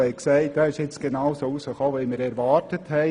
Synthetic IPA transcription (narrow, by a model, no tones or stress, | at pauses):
ɛɪksɛɪt̚d̥ɑɪʃɪt͡sɡ̥enaʊsoːusəxɔːʋiːmiːɾɛɾʋɑːtəthɛɪ